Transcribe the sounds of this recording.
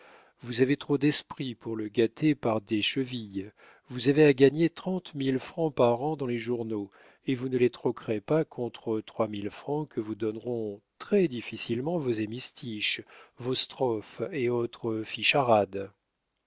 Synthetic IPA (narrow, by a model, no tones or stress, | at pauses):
vuzavet̪χod̪ɛspχipuʁləɡat̪ʰepaʁd̪eʃəvij | vuzaveaɡaɲet̪χɑ̃t̪milfχɑ̃paʁɑ̃d̪ɑ̃leʒuʁno | evunəlet̪χɔkʁepakʰɔ̃t̪χət̪χwamilfχɑ̃kʰəvud̪ɔnʁɔ̃t̪χɛd̪ifisilmɑ̃vozemist̪iʃvost̪χɔfeot̪χəfiʃaʁad̪